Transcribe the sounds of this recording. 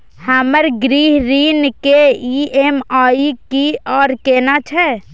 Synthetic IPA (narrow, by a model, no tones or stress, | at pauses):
həməɾɡɾiɦɾinkeiemaikiɔːɾkenat͡ʃʰɛ